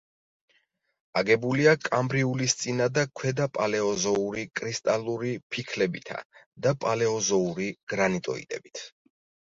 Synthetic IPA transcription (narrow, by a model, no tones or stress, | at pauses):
aɡɛbuliakʼambɾiulist̪sʼinad̪akʰwɛd̪apʼalɛɔzɔuɾikʼɾist̪ʼalˠuɾipʰikʰlɛbit̪ʰa̰d̪apʼalɛɔzɔuɾiɡ̥ɾanit̪ʼɔ̰ḭd̪ɛ̰bit̪ʰ